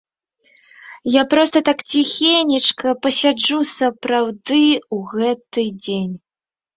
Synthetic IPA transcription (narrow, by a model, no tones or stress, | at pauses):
japɾɔst̪ɐt̪akt͡sʲixʲenʲit͡ʂkɐpɐsʲad͡ʐusɐpɾawd̪ɨuɣɛt̪ɨd͡zʲenʲ